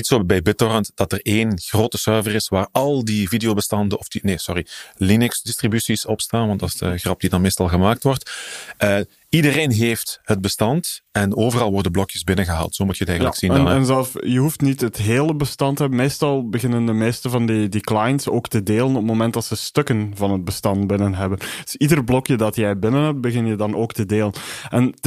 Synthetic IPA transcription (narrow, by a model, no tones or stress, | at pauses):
nitsoːbɛjbɪtɔrəntd̥ɑtəreːnɣroːtəsœrvərɪsʋaːrɑlˠdividejoːbəstɑndəɔfd̥ineːsɔrilinɵksdɪstribysisɔpstaːnʋɑntdɑsdəɣrɑp̚d̥idɑnmeːstɑlˠɣəmaːk̚tʋɔrtʔə | idəreːnɦeːftɦəd̚bəstɑntɛnoːvərɑlˠʋɔrdənblɔkjəsbɪnənɣəɦa̰ːlˠtsoːmutʰjəətɛjələksinnɛnzɛlˠfjəɦuftnitɦətɦeːləbəstɑntəɦɛbənmeːstɑlˠbəɣɪnəndəmeːstəvɑndidiklajnsoːktədeːlənɔp̚momɛntdɑtsəstɵkənvɑnɦəd̚bəstɑnt̚bɪnənɦɛbənd̥sidərblɔkjədɑtjɛjbɪnənɦɛp̚t̚bəɣɪnjədɑnoːktədeːlənɛn